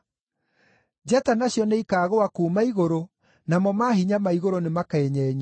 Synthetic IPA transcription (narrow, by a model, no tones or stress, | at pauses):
d͡ʒatanaɕjɔneikaːɣoakuːmaiɣoɾo | namɔmaɦiɲamaiɣoɾonemakaeɲɛːɲa